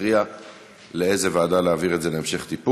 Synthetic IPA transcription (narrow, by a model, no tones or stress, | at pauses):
ʁia | leezevaːdaleaviʁed̪ze̞leemʃe̞χt̪ip